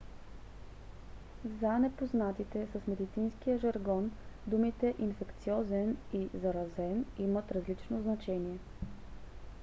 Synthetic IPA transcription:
zanɛpoznat̪it̪ɛsəsmɛd̪it̪sinskijəʒɐɾɡɔnd̪umit̪ɛʔinfɛkt̪siɔzɛnizɐɾɐzɛnimət̪ɾɐzlit͡ʃnoznɐt͡ʃɛniɛ

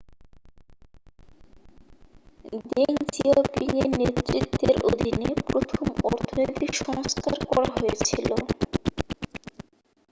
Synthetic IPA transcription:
d̪eŋd͡ʑiopiŋeɾnet̪ːɾit̪ːeɾo̰d̪ʱinepɾot̪ʰomɔɾt̪ʰonot̪iʃɔŋskaɾkɔɾa̰ɦojet͡ɕʰilo

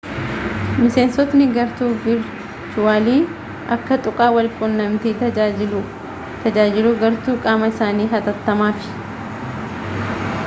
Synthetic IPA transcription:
mɪse̞ːnsɔt̪nɪɡɐɾt̪uːvɪɾ | t͡ʃʊaːliː | ʔɐkːɐt̪ʼʊkʼaːwɐlkʼʊnːɐmt̪iːɐ | t̪ɐd͡ʒaːd͡ʒɪluːɡɐɾt̪uːkʼaːmɐɪsaːniːɦɐt̪ɐt̪ːɐmaːfɪ̥

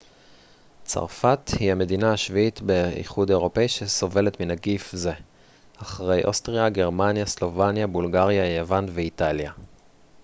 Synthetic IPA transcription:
t͡sa̰ʁfathiame̞dinaaʃviitbe̞ḭχudeʁo̞peiʃeso̞ve̞le̞tminaɡifze̞ | aχʁe̞jʔo̞stʁiaɡe̞ʁmanjaslo̞vanjabulɡaʁjajavanve̞italja

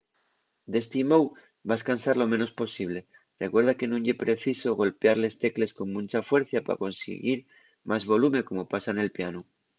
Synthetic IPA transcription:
d̪e̞st̪imow | baeskansaɾlo̞meno̞spo̞siβ̞le̞ | rekwe̞ɾðake̞nũɲepɾe̞θiso̞ɣo̞lpeaɾle̞st̪e̞kle̞sko̞nmũnt͡ʃafwe̞ɾθjapa̰ko̞nsḛɣiɾ | mʔazβo̞lume̞ko̞mo̞pasane̞lpianu

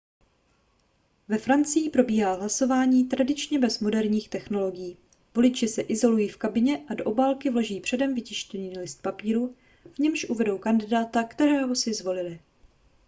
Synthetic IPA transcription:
vɛfɾant͡sɪjɪpɾo̞biːɦaːɦlaso̞vaːɲiːt̪ɾadɪt͡ʃɲɛbɛzmo̞dɛɾɲiːxt̪ɛxno̞lo̞ɡɪjiː | vo̞lɪt͡ʃɪsɛʔɪzo̞lujiːfkabɪɲɛʔado̞ʔobaːlkɪvlo̞ʒiːpr̥ɛdɛmvɪcɪʃcɛɲiːlɪst̪̚papiːɾu | vɲɛmʃʔuvɛdo̞wkandɪdaːt̪akt̪ɛɾɛːɦo̞sɪzvo̞lɪlɪ

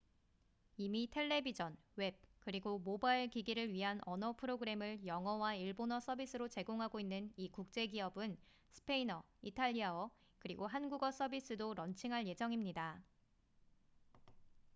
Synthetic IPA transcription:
imitʰe̞ɭːe̞bid͡ʑʌnwe̞b̚kɯɾiɡomobaiɭkiɡiɾɯɭɥiɦanʌnʌpʰɯɾoɡɯɾe̞mɯɭjʌŋʌwaiɭbonʌs͈ʰʌbis͈ʰɯɾot͡ɕe̞ɡoŋɦaɡoinːɯnikuk̚t͡ɕ͈e̞ɡiɦʌbɯn | sʰɯ̥pʰe̞inʌ | itʰaʎːiaʌ | kɯɾiɡoɦanɡuɡʌs͈ʰʌbis͈ɯdoɾʌnt͡ɕʰiŋɦaɭje̞d͡ʑʌŋimɲida

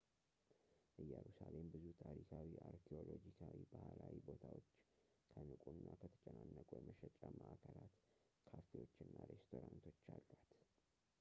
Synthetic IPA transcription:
ʔɨjɛɾusalembɨzut̪ʰaɾikʰawiʔaɾkʰeo̞lod͡ʒikʰawibahlawibo̞t̪ʰawo̞t͡ʃː | kʰənɨkʼunːakʰət̪ʰə̥t͡ʃʼɛnanːəkʼujɛməʃɛt͡ʃʼaməʔakʰəɾat̪ | kʰaft̪ʰio̞t͡ʃːɨnːaɾe̞st̪ʰo̞ɾant̪ʰo̞t͡ʃːalːat̪

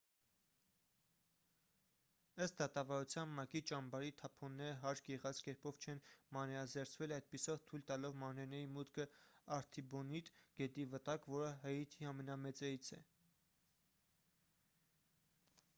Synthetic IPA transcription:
əst̪̚d̪ɑt̪ɑvɑɾut͡sʰjɑnmɑkit͡ʃɑmbɑɾit̪ʰɑpʰɔnːɛɾəɦɑɾɡɛʁɑt͡skɛɾpɔvt͡ʃʰɛnmɑnɛɾɑzɛɾt͡sʰvɛlɑjd̪̚pisɔvt̪ʰujlt̪ɑlɔvmɑɾnɛɾnɛɾimut̪kʰəɑɾt̪ʰibɔnit̪ɡ̥ɛt̪ivət̪ɑkvɔɾəɦəit̪ʰiɑmɛnɑmɛt͡sɛɾit͡sʰɛ̰

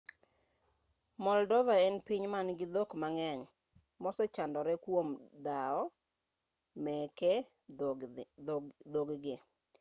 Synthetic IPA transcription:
mɔldɔðaɛnpiɲmanɡɪd̪okmaŋɛɲ | mɔsɔt͡ʃandɔɾɛkwomd̪aɔ | mɛkɛ | d̪oɡɡɪ

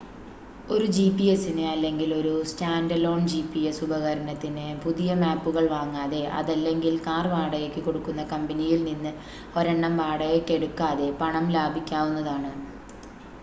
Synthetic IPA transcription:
o̞ɾud͡ʑipːijesinɨɐlːe̞ŋɡilo̞ɾustaːndɐlo̞ːɳd͡ʑipːiesubɐɣɐɾɐnɐt̪ːinɨpuðijɐmaːpːuɣɐɭʋaːŋːaːðe̞ʔɐ̰ðɐlːe̞ŋɡilkaːrʋaːɽɐjokʲːɨko̞ɽukːunːɐkɐmbɐnijilninːɨ | o̞ɾeɳːɐmʋaːɽɐjekːe̞ɽukːaːðe̞pɐɳɐmlaːbʱikʲːaːʋunːɐðaːɳɨ

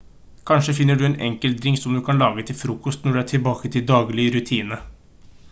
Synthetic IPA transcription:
kʰɑnʂəfɪnːəɖʉɛnʔɛ̰ŋkəld̪ɾɪŋsɔmd̪ʉkʰɑnlɑːɡət̪ʰɪlfɾuːkɔst̪nɔɖʉæʈʰɪlbɑːkət̪ʰɪld̪ɑːɡlɪɾʉt̪ʰiːnə

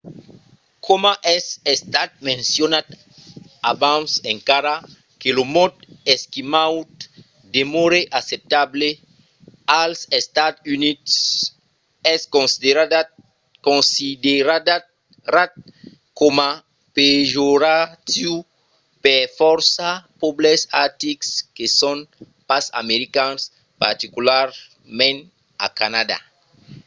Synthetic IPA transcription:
kʰomaʔɛsest̪at̪̚mẽnsjonat̪ | abãnsẽŋkaɾa | kelomɔt̪eskimawt̪ | d̪emoɾeʔasep̚t̪able | alsest̪at̪ynits | ɛskõnsideɾa | kõnsid̪eɾad | ɾat̪̚ | koma | peʒoɾat̪iu | pefɔɾsapoblesaɾt̪ikskesõn | pasa̰meɾikãns | pa̰ɾt̪ikulaɾ | mẽn | a̰kanad̪a̰

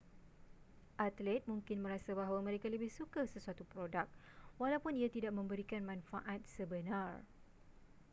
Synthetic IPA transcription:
ʔat̪lɛt̪̚mũŋkɪnmə̃ɾasabaɦawamə̃ɾekaləbɪhsukasəsuat̪upɾodak̚ | walawpʊniat̪idaʔ̚mə̃mbəɾikanmãnfaʔat̪̚səbənãr

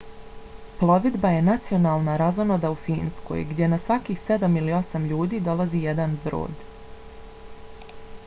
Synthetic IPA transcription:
plˠo̞ʋid̪baje̞nat̪sio̞naːlˠnaɾazono̞d̪aufiːnsko̞̰jɡd̪ʲje̞nasʋakixse̞d̪amilio̞samʎuːd̪iːd̪o̞lˠaziːje̞d̪anbɾo̰ːd̪

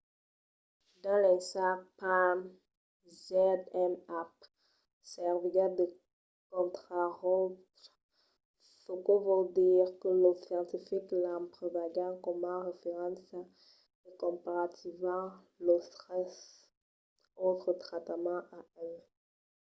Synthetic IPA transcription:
d̪ɑ̃lɛ̃sapam | zɛd̪ɛmap̚ | sɛʁvitad̪ə | kɔ̃nt̪χaʁot | fokovod̪iʁkəlosjɑ̃t̪ifiklɑ̃pχəvaɡɑ̃kɔmãʁefeʁɑ̃sa | əkɔ̃paʁat̪ivmɑ̃ | ləsɛs | ot̪χət̪χat̪amɑ̃ʔaʔɛ

